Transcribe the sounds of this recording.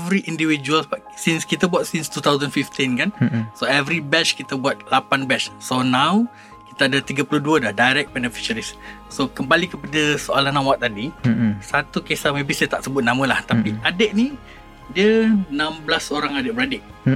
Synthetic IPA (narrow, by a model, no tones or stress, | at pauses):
vɾiʔindivid͡ʒuəlsba | sinskit̪abuat̪̚sinst̪ut̪awzənfift̪ĩnkansoɛvɾibɛt͡ʃkit̪abuat̪̚lapanbɛt͡ʃsonaw | ki̥t̪aːdat̪iɡəpəluduədahdajɾɛk̚bɛnəfi̥ʃəɾis | sokəmbalikəpadəsoa̰lanːamwak̚t̪ːadisat̪ukesamebisajt̪aʔsəbʊt̪̚nãmə̃laht̪apiadeʔ̚ni | diənãmblasoɾaŋadeʔ̚bəɾadɪʔ